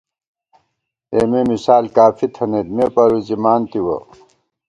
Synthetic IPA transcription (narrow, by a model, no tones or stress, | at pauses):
eːmemisaːlkaːfʰit̪ʰɐneːt̪mepɐɾuzimaːnt̪iwɐ̰